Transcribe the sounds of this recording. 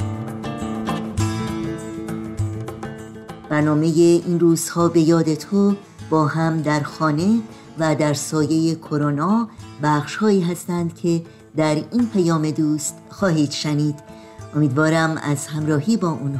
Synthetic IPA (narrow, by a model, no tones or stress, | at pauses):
b̥æɾnɒːme̞jeʔinruːz̥hɒːbe̞jɒːd̪e̞t̪ʰo | b̥ɒːɦæmd̪æɾxɒːne̞ | væd̪æɾsɒːje̞je̞kʰo̞ɾonɒːbæːχʃhɒːiːɦæst̪ænd̪cʰe̞ | d̪æɾiːnpʰæjɒːme̞d̪uːst̪xɒːɦiːd̪ʃæniːd̪̥ | ʔo̞miːd̪vɒːɾæmæ̰zhæmɾɒːɦiːbɒːʔunh